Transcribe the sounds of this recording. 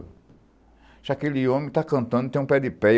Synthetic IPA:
ʒ̥akeliõmĩt̪akɐ̃nt̪ɐ̃nd̪ut̪ẽũpɛd̪ɪpɛ

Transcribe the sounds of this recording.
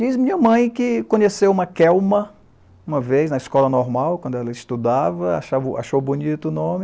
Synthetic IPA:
d͡ʒizmĩɲɐmɐ̃j̃kɪkõɲesewũmɐkɛwmɐ | ũmɐvejznɐiskɔlɐnɔɾmawkwɐ̃nd̪ʊɛlɐɪst̪ud̪avɐa̰ʃavʔa̰ʃowbunit̪ʊːnõmɪ

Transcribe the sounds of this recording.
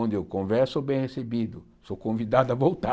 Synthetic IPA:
õnd̪ɪowkõvɛɾsobẽj̃hesebid̪ʊ | sokõvid̪ad̪ɐvowt̪a

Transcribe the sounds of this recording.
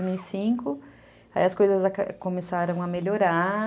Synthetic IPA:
zmiwisĩkʊ | aḭɐskojzɐzakkomesaɾɐ̃w̃ameʎoɾa

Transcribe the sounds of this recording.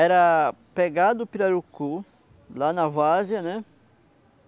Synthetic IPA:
ɛɾɐpeɡad̪ʊpiɾɐɾuku | lanɐvazjɐnɛ

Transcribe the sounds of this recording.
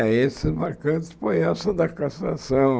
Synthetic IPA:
esɪzmaɾkɐ̃t̪ɪ̥sfojɛsɐd̪ɐkasasɐ̃w̃

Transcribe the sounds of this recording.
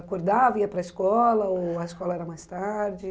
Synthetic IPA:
akoɾd̪avɐiɐpɾɐɪskɔlɐoɐɪskɔlɐɛɾɐmajst̪aɾd͡ʒɪ

